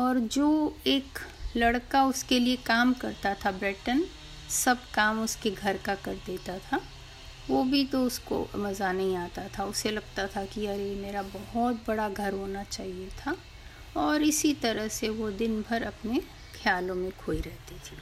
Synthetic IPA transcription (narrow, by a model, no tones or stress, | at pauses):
ɔːɾd͡ʒoːeːklɐɽkaʊskeliekaːmkɐɾt̪at̪ʰabɾɪʈən | sɐb̚kaːmʊskeɡʱɐɾkakɐɾd̪eːt̪at̪ʰa | ʋoːbʱit̪oʊsko̰mɐzanɐɦĩaːt̪at̪ʰaʊselɐɡ̚t̪at̪ʰakiɐɾemeːɾabɐɦɔt̪̚bɐɽaɡʱɐɾɦoːnat͡ʃaːɦiet̪ʰa | ɔːɾɪsit̪ɐɾəɦseʋod̪ɪnbʱəɾɐpne | kʰjaːlõmẽkʰoːiɾɛɦt̪it̪ʰiː